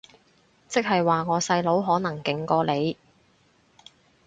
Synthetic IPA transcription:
t͡sɪ˥k̚hɐ˨jwaː˨ŋɔː˨˧sɐ˧jlo˨˥wɦɔː˨˥nɐ˨˩ŋkɪ˨ŋkɔː˧le˨˧j

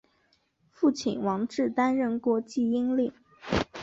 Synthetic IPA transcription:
fu˥˩t͡ɕʰḭ˨˩nwɑ˧˥ŋʈ͡ʂɻ̩˥˩t̪a˥nɻə˥˩nkwɔ˧˥t͡ɕi˥˩i˥ŋli˥˩

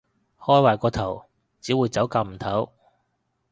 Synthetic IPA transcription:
hɔː˥jwaː˨jkɔː˧t̪ʰɐ˨˩w | t͡siː˨˥wuː˨˧jt͡sɐ˨˥wkaː˧m̩˨˩t̪ʰɐ˨˥w

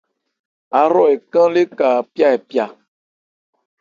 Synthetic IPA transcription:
a˨ɾɔ˦e˨kã˦le˦ka˨pi˦a˦e˨pi˦a˨

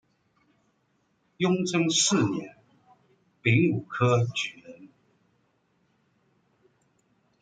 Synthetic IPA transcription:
jʊ˥ŋt͡sʰɤ˥ŋsɹ̩˥˩njɛ˨˥n | pi˧˥ŋu˨˩kʰɤ˥t͡ɕy˨˩nə˨˦n

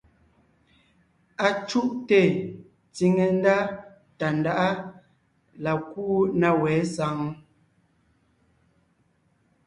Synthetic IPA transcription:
a˨t͡ʃu˦ʔte˦˨ | t͡si˨ŋe˨n˦da˦ | ta˨n˨da˦ʔa˦ | la˨ku˦na˦wɛː˨˦sa˨˦ŋ˦

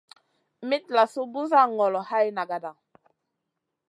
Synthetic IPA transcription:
mi˦t̚la˨su˦bu˦za˦˨ŋɔ˨lɔ˨ha˦jna˨ɡa˨da˨ŋ

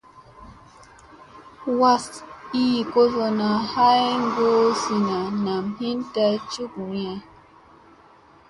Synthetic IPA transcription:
wa˦si˦˨ko˦zo˨na˨ha˦jŋ˦ɡo˦si˨na˨na˨mhi˦nta˦t͡ʃu˦k̚mi˨ɛ˨

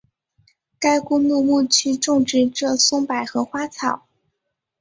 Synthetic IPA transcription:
ka˥ɪkʊ˥ŋmu˥˧mu˥˩t͡ɕʰy˥˧ʈ͡ʂʊ˥˧ŋʈ͡ʂɻ̩˥˧ʈ͡ʂɤ˥˩sʊ˥ŋpa˨˩ɪxɤ˧˥xwa˥t͡sʰɑ˨˩˦ʊ

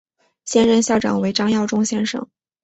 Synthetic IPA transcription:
ɕjɛ˥nɻə˥˧nɕjɑ˥˩ʊʈ͡ʂɑ̰˨˩ŋwe˧˥ɪʈ͡ʂɑ˥ŋjɑ˥˩ʊʈ͡ʂʊ˥ŋɕjɛ˥nʂɤ̰˨˩˦ŋ

